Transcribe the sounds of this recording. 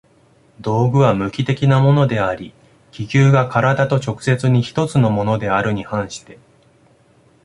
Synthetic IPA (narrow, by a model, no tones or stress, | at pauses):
d̪o̞ːɡɯ̟βamɯ̟kʲit̪e̞kʲinamo̞no̞d̪e̞aɾʲi | kʲikʲɨːɡakaɾad̪at̪o̞t͡ɕo̞kɯ̟̥se̞t͡sɨɲ̟içi̥t̪o̞t͡sɨno̞mo̞no̞d̪e̞aɾɯ̟ɲ̟ihãɰ̃ɕi̥t̪e̞